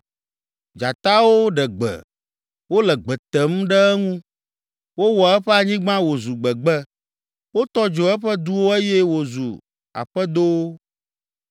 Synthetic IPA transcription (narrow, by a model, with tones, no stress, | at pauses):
d͡ʒa˨t̪a˦wo˦ɖɛ˨ɡ͡bɛ̰˨ | wo˦lɛ˨ɡ͡bɛ˨t̪ɛ˦m̩˦ɖɛ˦ɛ˦ŋũ˦ | wo˦wɔ˨ɛ˦ɸɛ˦a˨ɲĩ˦ɡ͡bã˦wo˨zu˨ɡ͡bɛ˨ɡ͡bɛ˦ | wo˦t̪ɔ˦d͡ʒo˨ɛ˦ɸɛ˦d̪u˦wo˦e˦jɛ˦wo˨zṵ˨ | a̰˨ɸɛ˦d̪o˦w